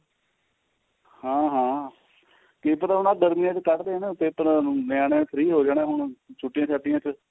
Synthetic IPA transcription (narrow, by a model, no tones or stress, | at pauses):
hãːɦãː | kɪpəɾʊnãːɡəɾmãːt͡ʃkəʈd̪eːɦnt̪epəɾnɪaːnẽːpʰɾiːɦoːd͡ʒaːɽẽːɦʊɳt͡ʃʰʊʈːɪjãːt͡ʃʰaːʈ̪ːɪjãːt͡ʃ